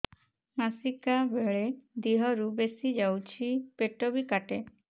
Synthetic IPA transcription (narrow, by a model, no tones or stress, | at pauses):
masikabeɭed̪iɦɔɾubesid͡ʒawt͡ʃʰipeʈobikaʈe